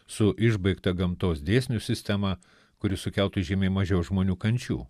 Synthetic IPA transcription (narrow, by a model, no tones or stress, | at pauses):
sʊʔɪʒbɐɪkt̪ɐɡɐmt̪oːsd̪ʲeːsʲnʲʊsʲɪsʲt̪ʲæmɑ | kʊɾʲɪsʊkʲɛlˠt̪ʊʒʲeːmʲeːmɐʒʲɛʊʒmoːnʲuːkɐnʲt͡ʃʲṵː